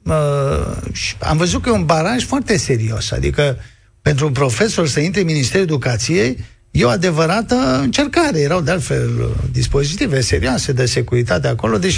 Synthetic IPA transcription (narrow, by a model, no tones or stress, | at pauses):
ə | ʃi̥a̰mvəzut̪̚kəjeunbaɾaʒfoart̪e̞se̞ɾio̞̰sa̰d̪ḭkə | pe̞nt̪̬ɾupɾo̞fe̞so̞rsəint̪ɾeɨnminist̪eɾued̪ukat̪sije̞j | jewad̪e̞vəɾat̪əɨnt͡ʃe̞rkaɾe̞je̞ɾawd̪ealt̪fe̞̰ld̪ispo̞zit̪ivese̞ɾiase̞d̪ese̞kuɾit̪at̪̬eako̞lo̞d̪et͡ʃ